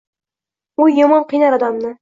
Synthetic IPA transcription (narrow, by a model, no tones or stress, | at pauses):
ʊjomɒnqʰijnaɾɒd̪amnɪ